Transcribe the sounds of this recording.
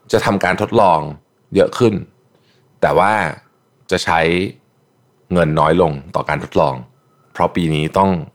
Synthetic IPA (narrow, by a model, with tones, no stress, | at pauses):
t͡ɕa˨˩ʔt̪ʰa˧mkaː˧nt̪ʰo˦˥t̪̚lɔː˧ŋ | jɤ˦˥ʔkʰɯ˥˩n | t̪ɛː˨˩waː˥˩ | t͡ɕa˨˩ʔt͡ɕʰa˦˥j | ŋɤ˧nːɔː˦˥jlo˧ŋt̪ɔ̰ː˨˩kaː˧nt̪ʰo˦˥t̪̚lɔ̰ː˧ŋ | pʰɾɔ˦˥piː˧niː˦˥t̪ɔ˥˩ŋ